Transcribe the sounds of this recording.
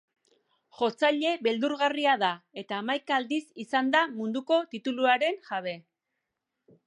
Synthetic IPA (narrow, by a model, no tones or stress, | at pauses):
ʝo̞t͡saʎe̞βe̞ld̪uɾɣariaðae̞t̪aːmajkaːld̪isisand̪amund̪uko̞t̪it̪uluaɾe̞ŋʝaβe̞